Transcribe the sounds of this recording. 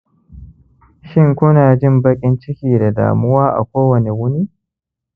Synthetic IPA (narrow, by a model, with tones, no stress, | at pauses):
ʃɪ˦˨ŋkʷʊ˦naː˨d͡ʒɪ˦mbɐ˦kʲʼɪ˦nt͡ʃɪ˦kʲiː˨da˨da̰ː˨mʊ˦waː˦ʔa̰˨kʷoː˦wɐ˨ne˨wʊ˦niː˦